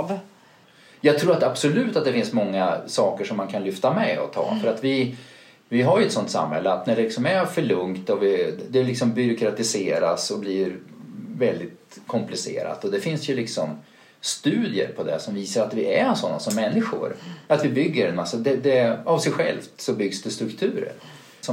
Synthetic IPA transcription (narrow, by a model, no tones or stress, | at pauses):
v | jɑːɡ̚t̪ʰɾuːɾat̪ab̥sʊlʉ̟ːt̪at̪̚d̪ɛfɪnsmɔŋːasɑːkəʂɔmːankʰanlʏft̪amɛɔ̰t̪ʰɑ̰ːfœɾat̪vɪ | vɪɦajɵɛt̪sɔnt̪sa̰mhɛ̰lːəat̪næɖɛlɪksɔmæɾfœɭɵŋt̪ɔvɪd̪ɛlːɪksɔmbʏɾʊkɾat̪ɪseːɾasɔbliːɾvɛld̪ɪt̪kʰɔmplɪsḛːɾa̰t̪ɔd̪ɛfɪnsjɵlɪksɔm | st̪ʉ̟ːd̪jə̰ɾpʰɔd̪ɛ̰sɔmviːsaɾat̪vɪæɾsɔnːa̰sɔmːɛnːɪɧʊ̰ɾat̪vɪbʏɡːəɾɛnmasːad̪ɛd̪ɛavsɛjɧɛ̰lft̪sɔbʏɡsd̪ɛst̪ɾɵkt̪ʰʉ̟ːɾə̰ɾ | sɔ